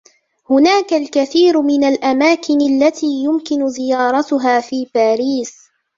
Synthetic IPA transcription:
hʊnaːkalkaθiːɾmɪnalʔamaːkɪnalːat̪ʰiːjʊmkɪnʊzɪjɑːɾˤɑt̪ʊɦaːfiːbaːɾiːs

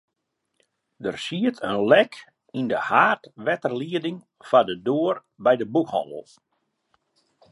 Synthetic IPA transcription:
dərsiətʰənlɛk | indəhaːtʋɛtərliədɪŋ | fadədoər | bɛjdəbukhɔ̰ndə̰l̩ˠ

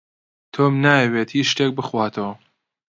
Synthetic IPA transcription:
t̪ʰoːmnaːjɐweːt̪hit͡ʃʃt̪ek̚bɨxwaːt̪ʰow

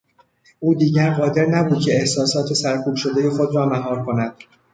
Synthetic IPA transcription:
ʔuːd̪iːɟæɾɢɒːd̪e̞ɾnæbuːd̪̥̚cʰe̞ːhsɒːsɒːt̪ʰe̞sæɾkʰuːb̥ʃo̞d̪e̞je̞xo̞d̪rɒːmæɦɒːɾkʰo̞næd̪̥

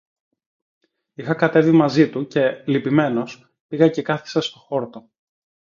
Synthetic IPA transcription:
ixɐkɐt̪e̞vimɐzit̪uce̞lipime̞no̞s | piɣɐce̞kɐθi̥sɐst̪o̞xo̞ɾt̪o

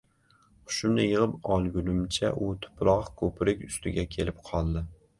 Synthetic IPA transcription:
χʰʊ̥ʃʊmnɪjəʁəpɑlˠɡʲulʊmt͡ʃʰɛʔut̪ʰʊ̥pɾɑχkʰopʰɾɪkʲyst̪ɪɡʲɛkʲʰelɪpqʰɑlˠd̪ɪ

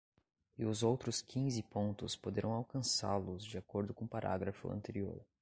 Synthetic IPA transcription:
ɪʊzowt̪ɾʊskʰĩzɪpõnt̪ʊspod̪eɾʔɐ̃w̃awkɐ̃sa̰ɾlʊzd͡ʒiakoɾd̪ʊkõpaɾʔa̰ɡɾɐfʊ̰ɐ̰̃nt̪eɾio̰ɾ

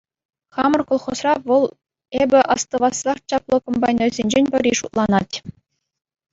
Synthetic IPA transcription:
χɑmɤ̆rkolˠχosrɑʋɤ̆lˠ | ebʲɘ̆ʔɑst̪ɤ̆ʋɑsrɑχt͡ɕɑplˠɤ̆kombɑjnʲojzʲenʲd͡ʑenʲpʲɘ̆ɾʲiʂut̪lˠɑnɑtʲ

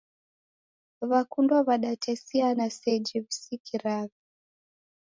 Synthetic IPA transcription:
βakundwaβaɗatʰɛsianasɛd͡ʒɛβisikʰiɾaβi

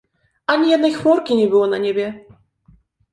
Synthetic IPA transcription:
aɲʲijɛd̪nɔjxmɔɾkʲiɲʲɛbɘwɔnaɲʲɛbʲɛ

